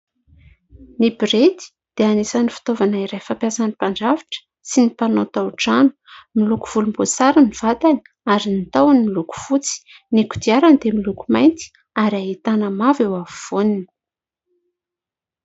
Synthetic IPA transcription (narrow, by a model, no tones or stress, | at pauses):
nibiɾet̪i̥ | d̪̥eanisanifi̥t̪ovanaiɾejfampjasanipaɳɖ͡ʐavi̥ʈ͡ʂə̥ | sinipanot̪awʈ͡ʂanu̥ | miluku̥v̥ulumbot͡saɾaniv̥at̪ani̥ | aɾinit̪awanimiluku̥fut͡si̥ | niku̥d̪iaɾand̪emilukumajnt̪i̥ | aɾaɦit̪anəmavewavuv̥uninə